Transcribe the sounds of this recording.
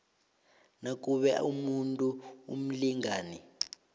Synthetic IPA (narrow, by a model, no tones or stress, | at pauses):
nak̬ʼuɓɛumuntʼuṵm̩liŋaːni